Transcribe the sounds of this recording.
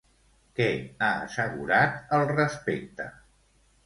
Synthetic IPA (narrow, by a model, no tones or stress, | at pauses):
kɛaə̰səɣuɾat̪əlˠrəspek̚t̪ə